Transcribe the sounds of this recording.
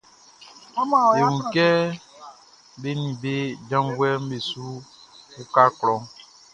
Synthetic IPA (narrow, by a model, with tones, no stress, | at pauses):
e˨wũ˨kɛ˦ | be˦nĩ˨be˦d͡ʒã˦ŋ˦ɡwɛ˦m̩˦be˨su˦ku˦ka˦klɔ̃˨ŋ